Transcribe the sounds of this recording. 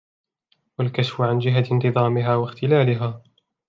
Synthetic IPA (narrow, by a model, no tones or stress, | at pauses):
walkaʃfʊʕand͡ʒɪɦant̪ɨðˤɑːmɪɦaːwaxt̪ɪlaːlɪɦaː